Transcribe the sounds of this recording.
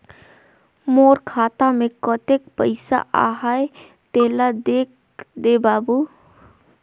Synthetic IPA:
moːɾkʰaːt̪amẽkɔt̪ek̚pəɪsa̰ʔa̰ːɦaːe | t̪eːlad̪eːk̚ | d̪eːbaːbu

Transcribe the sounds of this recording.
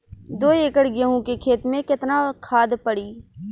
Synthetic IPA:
d̪oːeːkəɽɡjəɦũkekʰeːt̪mẽkɪt̪nakʰaːd̪pɐɽiː

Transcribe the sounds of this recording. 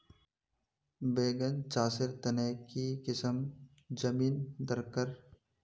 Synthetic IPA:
beːɡənt͡ʃaːsɪɾt̪ɐnekikɪsəm | d͡ʒɐmiːnd̪ɐɾkəɾ

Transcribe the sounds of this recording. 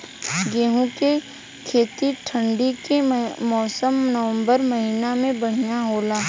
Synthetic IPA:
ɡeːɦũke | kʰeːt̪iʈʰə̃ɳɖikemɔːsəmnəʋə̃mbəɾmɐɦiːnamẽbɐɽ̤ijaɦoːlaː

